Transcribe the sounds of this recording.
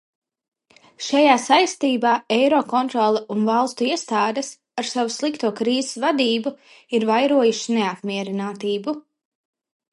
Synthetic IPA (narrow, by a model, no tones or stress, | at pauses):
ʃajaːsajst̪iːbaːɛjɾɔkɔnt̪ɾɔlˠɛunvalˠst̪uiɛst̪aːd̪ɛs | aɾsavuslˠikt̪uɔkɾiːze̥svad̪iːbu | iɾvajɾuɔjuʃineapmiɛɾinaːt̪iːbu